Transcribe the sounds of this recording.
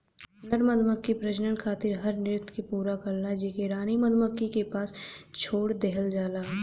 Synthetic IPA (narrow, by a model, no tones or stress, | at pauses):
nəɾməd̪ʱməkːipɾɐd͡ʒnənkʰaːt̪ɪɾɦɐɾnɪɾɪt̪ʰkepuːɾakɐɾlad͡ʒekeɾaːnimɐd̪ʱməkːikepaːst͡ʃʰoːɽd̪ɛɦəld͡ʒaːlaː